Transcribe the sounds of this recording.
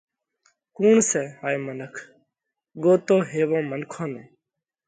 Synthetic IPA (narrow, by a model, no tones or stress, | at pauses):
kuːɳsɛːɦaːjmənəkʰ | ɡoːt̪oːɦeːʋõːmənkʰõːnõː